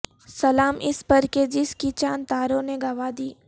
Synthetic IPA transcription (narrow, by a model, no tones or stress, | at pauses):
sɐlaːmʔɪspɐɾked͡ʒɪskit͡ʃaːnt̪aːɾõneɡɐʋaːd̪iː